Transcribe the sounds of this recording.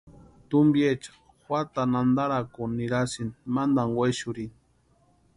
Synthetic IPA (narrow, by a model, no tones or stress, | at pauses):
t̪umbjet͡ʃḁ | xwʷat̪anand̪aɾakoniɾasinmand̪aŋɡwʷeʃuɾin